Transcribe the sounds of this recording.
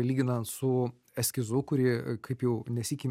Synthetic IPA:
lʲiːɡʲɪnɐnt̪sʊ | ɛsʲkʲɪzʊkʊɾʲɪkʰɐɪpjɛʊnʲɛsʲikʲɪ

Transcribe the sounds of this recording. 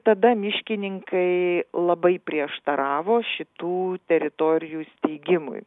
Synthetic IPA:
t̪ɐd̪ɐmʲɪʃʲkʲɪnʲɪŋkɐɪlˠɐbɐɪpʲɾʲiɛʃt̪ɐɾɑːʋoːʃʲɪt̪uːt̪ʲɛɾʲɪt̪oːɾʲɪjuːsʲt̪ʲɛɪɡʲɪmʊ̰j

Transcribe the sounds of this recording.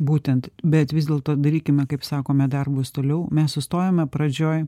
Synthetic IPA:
buːt̪ʲɛnt̪bʲɛt̪ʋʲɪzd̪ʲeːlˠt̪oːd̪ɐɾʲiːkʲɪmʲɛkɐɪpsɑːkoːmʲɛd̪ɐrbʊst̪oːlʲɛʊmʲɛssʊst̪oːjoːmʲɛpɾɐd͡ʒʲoːj

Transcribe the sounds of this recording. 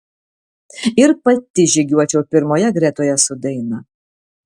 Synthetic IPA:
ɪɾpɐt̪ʲɪʒʲɪɡʲuɔt͡ʃʲɛʊpʲɪɾmoːjɛɡɾʲæt̪oːjɛsʊd̪ʲɛɪnɐ

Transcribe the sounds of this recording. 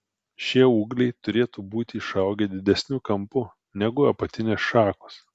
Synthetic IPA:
ʃʲiɛuːɡlʲɛɪt̪ʊɾʲeːt̪uːbuːt̪ʲɪʃɐˑʊɡʲɛːd̪ʲɪd̪ʲɛsʲnʲʊkɐmpʊ | nʲɛɡʊɐpɐt̪ʲɪnʲeːsʃɑːkos

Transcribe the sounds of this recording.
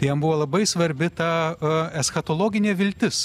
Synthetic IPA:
t̪ɪjɐmbʊʋoːlˠɐbɐɪsʋɐɾʲbʲɪt̪ɑɛsxɐt̪oːlˠoːɡʲɪnʲeːʋʲɪlʲt̪ʲɪs

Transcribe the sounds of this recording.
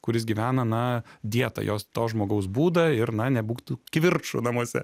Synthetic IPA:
kʊɾʲɪsɡʲiʋʲæːnɐnɐd̪ʲiɛt̪ɐ̰jʔo̰ːst̪oːsʒmoːɡɐʊsbuːd̪ɐɪɾnɐnʲɛbuːkt̪ukʋʲɪrt͡ʃʊ̰nɐmuɔsʲɛ̰

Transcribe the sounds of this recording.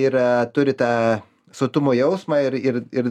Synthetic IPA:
iɾɐt̪ʊɾʲɪt̪ɑː | soːt̪ʊmoːjɛʊsmɑːɪɾɪrɪr

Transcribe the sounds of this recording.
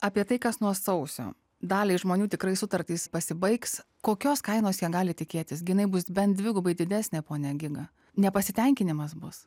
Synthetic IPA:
ɑːpʲiɛt̪ɐɪkɐsnuɔsɐʊsʲo̰ː | d̪ɑːlʲeɪʒmoːnʲuːt̪ʲɪkɾɐɪsʊt̪ɐɾʲt̪ʲiːspɐsʲɪbɐɪks | koːkʲoːskɐɪnoːsjiɛɡɑːlʲɪt̪ʲɪkʲeːt̪ʲɪsɡʲɪjɪnɐɪbʊsbʲɛnt̪̚d̪ʲʋʲɪɡʊbɐɪd̪ʲɪd̪ʲæːsʲnʲeːpoːnʲɛɡʲɪɡɐ | nʲɛpɐsʲɪt̪ʲɛŋʲkʲɪnʲɪmɐsbʊs

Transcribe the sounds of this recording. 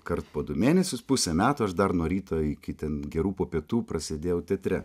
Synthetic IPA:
kɐɾt̪poːd̪ʊmʲeːnʲɛsʲʊspʊsʲɛmʲæːt̪ʊːɐʃd̪ɐɾnuɔɾʲiːt̪ɐɪkʲɪt̪ʲɛnɡʲɛɾuːpoːpʲiɛt̪uːpɾɐsʲed̪ʲeːjɛʊt̪ʲɛt̪ʲɾʲɛ

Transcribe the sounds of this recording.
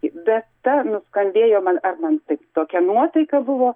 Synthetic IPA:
ɪbʲɛt̪t̪ɐnʊskɐnʲdʲeːjoːmɐnɐrmɐnt̪ɐɪpt̪oːkʲɛnuɔt̪ɐɪkɐbʊʋoː

